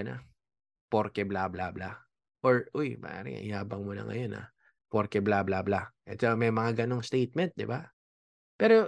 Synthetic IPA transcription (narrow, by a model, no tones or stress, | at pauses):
ɐna̰ | poɾkɛblablabla | ʔoɹʔojpa̰aɾɪ̰ŋ̰ʔɪhaːbɐŋmʊnɐ̰ŋɐ̰jo̞na̰ | poɾkɛblablablaʔɛt̪t͡ʃɐmɐjmɐŋaɡɐnoŋst̪ejt̪̚mɛnt̪̚d̪ɪba | pɛːɾo̞